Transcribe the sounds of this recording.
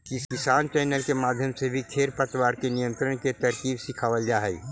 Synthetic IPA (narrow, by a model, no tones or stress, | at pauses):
kɪskɪsaːnt͡ʃɛːnəlkemaːd̪ʱjəmsebʱikʰeːɾpət̪waːɾkenijə̃nt̪ɾənket̪ɐɾkiːbsɪkʰaːʋəld͡ʒaːɦɛi